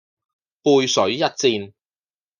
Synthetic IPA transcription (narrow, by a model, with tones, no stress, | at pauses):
puː˧jsɵ˨˥ɥjɐ˥t̚t͡siː˧n